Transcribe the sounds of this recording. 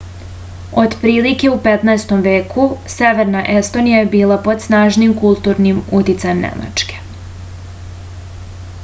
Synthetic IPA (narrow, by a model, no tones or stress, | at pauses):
o̞d̪pɾiːlike̞upe̞t̪naest̪o̞mʋe̞ːkʰuse̞ʋeɾnaʔe̞st̪o̞nijaje̞biːlˠapo̞d̪snaːʒnimkulˠt̪uɾnimut̪it̪sajemnḛma̰t͡ʃke̥